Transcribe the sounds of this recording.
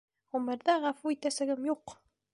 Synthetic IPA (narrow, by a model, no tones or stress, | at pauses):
ʁɵmɘ̆ɾðæʁɑfuit̪æsɘ̆ɡɘmjuq